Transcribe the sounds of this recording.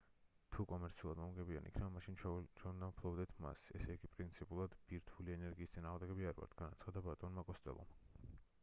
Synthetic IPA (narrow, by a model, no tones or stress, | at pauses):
t̪ʰukʼɔmɛɾt̪sʰiulˠad̪mɔmɡɛbia̰nikʰnɛbamaʃint͡ʃʰt͡ʃʰwɛund̪ampʰlˠɔbd̪ɛt̪ʰma̰sɛsɛiɡipʼɾint̪sʰipʼulˠad̪biɾt̪ʰuliɛnɛɾɡiːst̪sʼinaːʁmd̪ɛɡɛbiaɾva̰ɾt̪ʰɡ̥anat̪sʰχad̪abat̪ʼɔnmakʼɔst̪ʼɛ̰lˠɔ̰m